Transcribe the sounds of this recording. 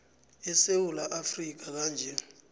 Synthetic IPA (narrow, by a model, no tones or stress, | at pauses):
ɛsewulaʔafrik̬ak̬aːnd͡ʒʱɛ